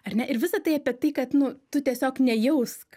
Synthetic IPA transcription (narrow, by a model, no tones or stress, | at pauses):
ɐrʲnʲɛʔɪɾʋʲɪsɐt̪ɐɪɐpʲiɛt̪ɐɪkɐt̪nʊt̪ʊt̪ʲiɛsʲoːknʲɛjɛʊsk